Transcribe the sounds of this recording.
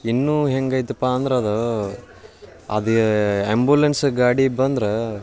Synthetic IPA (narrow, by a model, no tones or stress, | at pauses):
inːuːɦeŋɡɐjt̪upːaːɐnd̪ɾeɐd̪ɐ | ɐ̰d̪iembulensɡaːɽibɐnd̪ɾe